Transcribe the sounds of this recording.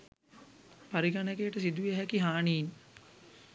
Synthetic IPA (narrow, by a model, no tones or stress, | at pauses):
paɾiɡanekejʈəsid̪ujeɦɛkiɦaːniːn